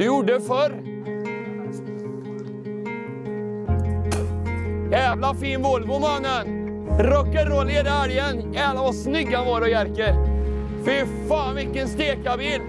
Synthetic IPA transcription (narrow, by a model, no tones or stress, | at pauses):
d̪ɵjʊɖəfœɾ | jæːvlafiːnvoːlbʊmanːən | ɾɔkːəɾːoːleːd̪aæɾjənjæːvlavasnʏɡːanvoːɾɔjæɾkə | fɪfaːnvɪkːənst̪eːkabiːl